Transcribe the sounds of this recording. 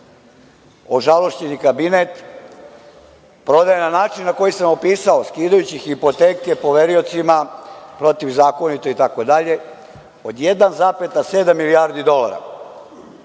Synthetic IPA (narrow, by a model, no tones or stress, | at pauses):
o̞ʒalo̞ʃt͡ɕenikabinet̪ | pɾo̞d̪ajenanaːt͡ʃinːako̞jisamopiːsaoskiːd̪ajut͡ɕixipo̞t̪e̞ːke̞po̞ʋeɾio̞t̪simapɾo̞t̪iʋzaːko̞nit̪oit̪ako̞d̪aʎe̞ | o̞d̪je̞d̪anzaːpet̪ase̞ːd̪amːiliaɾd̪id̪o̞la̰ɾa̰